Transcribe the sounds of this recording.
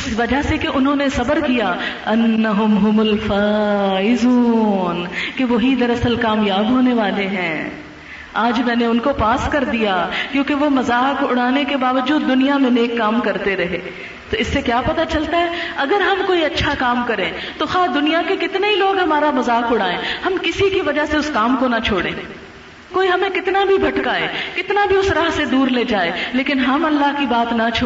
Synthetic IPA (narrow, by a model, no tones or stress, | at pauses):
ɪsʋɐd͡ʒasekeʔʊnɦõnesɐbəɾkija | ɐnːɐɦʊmɦʊmʊlfaːɪzuːnkeʋoɦid̪ɐɾɐsəlkaːmjaːbɦoːneʋaːleɦɛ̰̃ː | aːd͡ʒmɛ̃ːneʊnkopaːskɐɾd̪ijakjõːkeʋomɐzaːkʊɽ̤aːnekebaːʋəd͡ʒuːd̪ːʊnijamẽneːkːaːmkɐɾt̪eɾɐɦeː | t̪oɪsːekjaːpɐt̪at͡ʃɐlt̪aɦɛːɐɡəɾɦɐmkoːiɐtːʃʰakaːmkɐɾẽː | t̪oxaːd̪ʊnijakekɪt̪neɦiloːɡɦɐmaːɾamɐzaːkʊɽ̤aːẽːhɐmkɪsikiʋɐd͡ʒaɦseʊskaːmkonat͡ʃʰoːɽḛ̃ː | koːiɦɐmẽkɪt̪nabʱibʱɐʈkaɦɛ̰ːkɪt̪nabʱiʊsɾaːɦsed̪uːɾled͡ʒaːeleːkɪnɦɐmɐlːaɦkibaːt̪nɐt͡ʃʰoː